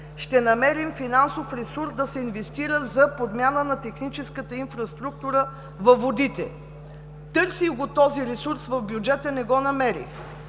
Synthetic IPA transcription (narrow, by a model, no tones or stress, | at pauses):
ʃt̪ɛnɐmɛɾimfinansofɾɛsuɾsd̪ɐsɛinvɛst̪iɾəzɐpod̪mʲjanənɐt̪ɛxnit͡ʃɛskət̪əinfɾɐst̪ɾuk̚t̪uɾə | vɐvod̪it̪ɛ̰ | t̪ɤɾsiɡot̪ɔziɾɛsuɾsvɐfbjud͡ʒɛt̪ənɛɡɔnɐmɛɾḭx